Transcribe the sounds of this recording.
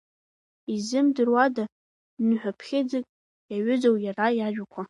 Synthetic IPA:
izɨmdɨrwada | nɨħʷᶣapʰχʲed͡zɨkʼ | jaɥʏd͡zowjarajaʒʷᶣakʷʰa

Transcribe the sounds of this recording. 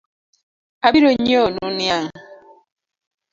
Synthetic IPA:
abiɾoɲionunjaŋ

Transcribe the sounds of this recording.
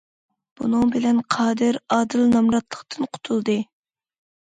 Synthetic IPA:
b̥unɨŋbɪlɛnqʰɑːd̪ɨɾɑːd̪ɨlnɑmɾɑt̪ʰlˠəqt̪ʰɨnqʰʊ̥t̪ʰulˠd̪ɨ

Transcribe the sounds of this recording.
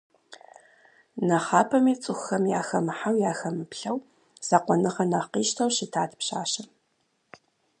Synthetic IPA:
nɐχɑːpʰɐmiːt͡sʼɨxxɐmjaːxɐmħawjaːxɐmɨpɬɐw | z̥aqʷɔnɨʁɐnɐqiːʃtʰɐwʃɪtʰaːtʰpɕaːɕɐ

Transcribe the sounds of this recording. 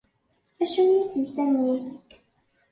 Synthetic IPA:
æʃænjisəlsænːi

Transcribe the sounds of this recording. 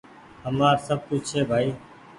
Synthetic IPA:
ɦəmaːɾsəb̚kʊt͡ʃt͡ʃʰeːbʱaːiː

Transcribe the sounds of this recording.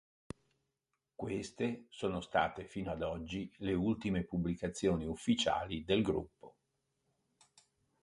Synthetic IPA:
kwest̪esoːnost̪a̰ːt̪efiːnoad̪ɔd͡ʒːileult̪imepublikat̪sːjoːniufːit͡ʃa̰ːlid̪elɡɾṵpːo

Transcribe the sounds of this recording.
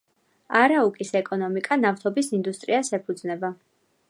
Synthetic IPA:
aɾaukʼisɛkʼɔnɔmikʼanaft̪ʰɔbisind̪ust̪ʼɾiasɛpʰud̪znɛba

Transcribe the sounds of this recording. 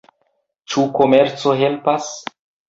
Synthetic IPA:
t͡ʃuko̞me̞ɾt͡so̞ɦe̞lpas

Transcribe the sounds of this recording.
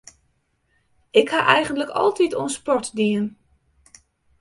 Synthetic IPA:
ɪkχaːʔɛjχəndləkɑ̰lˠtitɔnspɔɹtdiən

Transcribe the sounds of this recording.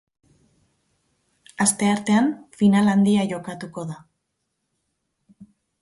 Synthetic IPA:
ast̪e̞aɾt̪e̞anfinaland̪iaʝo̞kat̪uko̞ða

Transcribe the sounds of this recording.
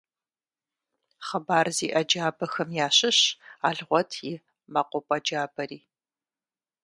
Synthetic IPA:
χɐbaːrziːʔɐd͡ʒaːbɐxɐmjaːɕɪɕaːɮʁʷɔtʰjɪ | mɐqʷɔpʼɐd͡ʒaːbɐɾiː

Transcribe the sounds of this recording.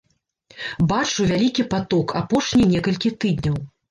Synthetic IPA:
bat͡ʂuvʲalʲikʲipat̪ɔkʰapɔʂnʲinʲɛkɐlʲkʲit̪ɨd̪ʲnʲɐw

